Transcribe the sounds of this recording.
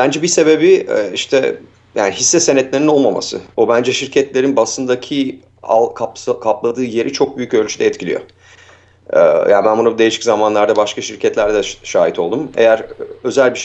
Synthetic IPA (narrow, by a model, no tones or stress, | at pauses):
b̥ænd͡ʒɛbise̞be̞biɛiʃt̪ʰɛ̰ | ja̰ːniɦisːɛsenɛt̪lʲe̞ɾino̞lˠmama̰sɯ̰o̞bænd͡ʒɛʃiɾcʰɛt̪lʲe̞ɾinbasɯnd̪acʰi | a̰lˠkʰapkʰaplˠad̪ɯːje̞ɾʔit͡ʃʰo̞k̚byjycø̞lʲt͡ʃʰyd̪ɛːt̪cilʲḭjo̞̰ | ja̰ːnbænbunad̪e̞jiʃiczamanlˠaɾd̪abaʃkaʃiɾcʰɛt̪lʲæɾd̪ɛʃaːit̪ʰo̞lˠd̪ume̞̰jæɾø̞zælʲbiʃ